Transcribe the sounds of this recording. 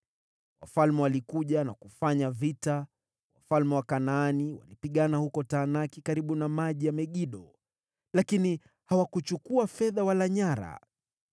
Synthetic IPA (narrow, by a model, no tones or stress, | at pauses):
wa̰falmɛwalikuʄanakufaɲavita | wafalmɛwakanaːniwa̰lipiɠanahukɔtaːnakikaɾiɓunamaʄijamɛɠiɗɔ | lakini | hawakut͡ʃukuafɛðawalaɲaɾa̰